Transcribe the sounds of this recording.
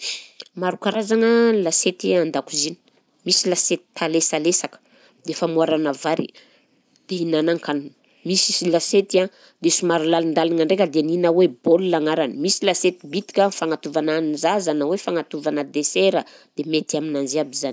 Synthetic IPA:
maɾukaɾazaŋəlaset̪iand̪akuzini̥ | misilaset̪i̥t̪ʰalesalesakə̥ | d̪̥efamuaɾanavaɾḭ | d̪̥einanaŋkann | misisilaset̪a | d̪esumaɾulalind̪alaŋaɳɖ͡ʐekʲəd̪eninawebolulaŋaɾanimisilaset̪ibit̪i̥kʲafaŋat̪uvananzazanawefaŋat̪uvanəd̪eseɾəd̪̥emet̪iaminanziabizani

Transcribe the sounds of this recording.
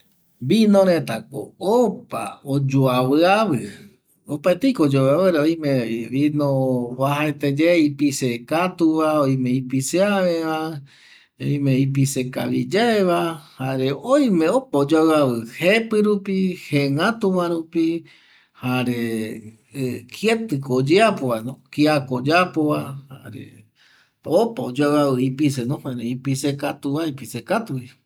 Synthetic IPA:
binõɾẽt̪ako̰opa̰od͡ʒoaβɨaβɨ | opaet̪ejkood͡ʒoaβɨɾeoj̃mẽβinõβaɦaet̪ed͡ʒeipisekat̪uβaoj̃mẽipiseaβeβa | oj̃meip̬iseka̰βḭd͡ʒaeβahaɾeoj̃mẽopaod͡ʒaɨaβɨhepɨɾupiheŋãt̪uʋaɾupi | haɾe | kʰiet̪ɨkod͡ʒeapoβanõkiakod͡ʒapoβaha̰ɾḛ | opaod͡ʒaaβɨipisenõẽɾeipisekat̪uβaipisekat̪uβi

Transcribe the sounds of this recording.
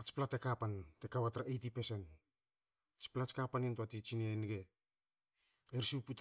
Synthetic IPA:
at͡ʃplatekapantekaβatɾaʔejtipesen | t͡ʃplat͡ʃkapanentoatit͡ʃinenɡe | eɾsuput

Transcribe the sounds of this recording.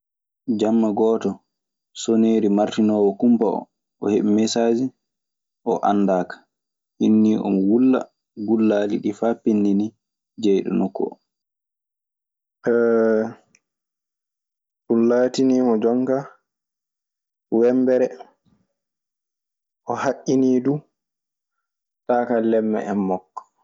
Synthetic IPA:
d͡ʒamːaɡɔːtɔ | soneːɾimaɾtinɔːwɔkumpaɔ̰ | ʔɔheɓɛmɛsaːd͡ʒi | ʔɔʔa̰nːdaːkḁ | hinːiːʔɔ̰mwulːa̰ | ɡulːaːlḭɗifaːpinːini | d͡ʒɛjɗɔ̰nɔkːɔ̰ | ɛ | ɗunlaːtiniːmɔd͡ʒɔŋka | wɛmbɛɾɛ | ʔɔhaʔːiniːdu | taːkalɛmːɛ̰ʔɛmːɔkːɔ̥

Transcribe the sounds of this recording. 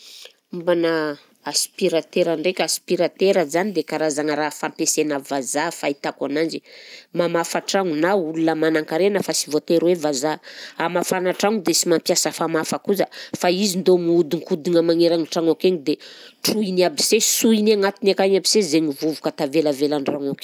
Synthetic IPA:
mbana | aspiɾat̪eɾaɳɖ͡ʐekʲaspiɾat̪eɾəzanid̪ekaɾazaŋəɾafampesenəvazafait̪akanand͡ʒimamafaʈ͡ʂaŋunaulunəmanaŋkaɾenəfasivot̪eɾwevazaamafanaʈ͡ʂaŋud̪esimampjasəfamafakuzəfaizind̪omiud̪iŋkud̪iŋamaŋeɾaŋiʈ͡ʂaŋakeɲid̪eʈ͡ʂuiniabisesuiniaŋat̪inakaɲabisezeɲivuvukət̪avelavelaɳɖ͡ʐaŋak

